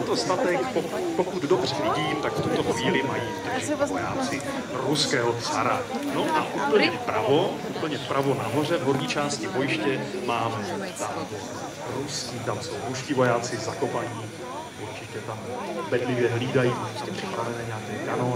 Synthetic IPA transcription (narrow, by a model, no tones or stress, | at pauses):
ɛt̪ost̪at̪ɛkpokpokud̪dobr̝ɛvɪɟiːmt̪akft̪ut̪o̞xviːlɪmajipt̪oʒɛvoja̰ːt͡sɪ | ɾuskɛːɦot͡sa̰ɾa̰no̞ʔaʔuːpl̩ɲɛpɾa̰voʔuːpl̩ɲɛpɾʔavo̞naɦo̞rɛvɦoɾɲiːt͡ʃaːscɪvojɪʃcɛmaːmzaːvo | ɾuskiːt̪amsowɾuscivo̞jaːt͡sɪzako̞paɲiː | uɾt͡ʃɪcɛt̪ambɛdlɪvjɛɦliːdajiposcɛpr̥ɪ̥pɾavɛnɛːɲeaːkɛːkano